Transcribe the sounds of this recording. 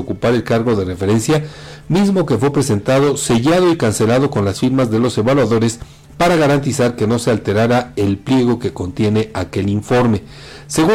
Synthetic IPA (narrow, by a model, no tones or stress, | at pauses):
okupaɾe̞lkaɾɣo̞ðe̞re̞fe̞ɾe̞nsjamizmo̞ke̞fwe̞pɾe̞se̞nt̪að̞o̞se̞ʝaðo̞ikanse̞lað̞o̞ko̞nlasfiɾmazðe̞lo̞se̞βalwaðo̞ɾe̞s | paɾaɣaɾant̪isaɾke̞no̞se̞alt̪e̞ɾaɾae̞lplje̞ɣ̞o̞ke̞ko̞nt̪je̞ne̞ʔake̞liɱfo̞ɾme̞ | se̞ɣu